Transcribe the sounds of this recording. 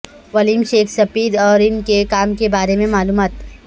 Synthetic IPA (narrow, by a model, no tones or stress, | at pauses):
ʋɐliːmʃeːkʰsɐfiːd̪ɔːɾɪnkekaːmkebaːɾemẽmaːluːmaːt̪